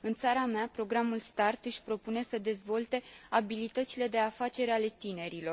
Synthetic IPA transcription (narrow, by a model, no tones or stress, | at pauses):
ɨnt̪saɾameapɾo̞ɡɾamulst̪art̪ɨʃʲpɾo̞pune̞səd̪e̞zvo̞lt̪e̞abilit̪ət̪sile̞d̪e̞afat͡ʃe̞ɾale̞t̪ine̞ɾilo̞r